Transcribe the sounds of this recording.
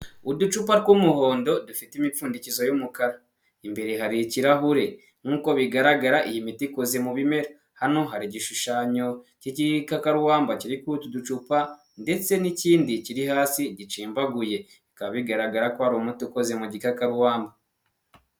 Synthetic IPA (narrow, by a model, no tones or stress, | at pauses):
udut͡ʃupaɾkumuho̞ːndo̞dufitimifuːndicizo̞jumukaɾa | imbe̞ɾe̞ɦaɾiciɾaɦuɾe̞ | n̥uːko̞βiɡaɾaɡaɾaʔijimitikozemuβime̞ɾo | hano̞ɦaɾiɟiʃuʃaːɲo̞ciɟikakaɾuwaːmbaciɾikutudut͡ʃupa | nde̞t͡se̞niciːndiciɾihaːsiɟit͡ʃiːmbaɡuje̞ | ikaβiɡaɾaɡaɾakohaɾomutukozemuɟikakaɾuwaːmba